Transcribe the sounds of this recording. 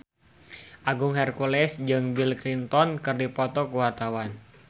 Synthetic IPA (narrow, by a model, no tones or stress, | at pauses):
ʔaɡʊŋɦɛrkulɛsd͡ʒɨŋbilklint̪ɔnkɨrdipɔt̪ɔkuwart̪awan